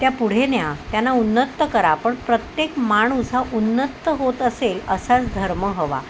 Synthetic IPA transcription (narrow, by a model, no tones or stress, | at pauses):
t̪japuɽ̤enjat̪janːaunːət̪ːəkəɾapəɳpɾət̪jekmaɽ̃usɦaʔunːət̪ːəɦot̪əseləsat͡sd̪ʱəɾməɦəʋa̰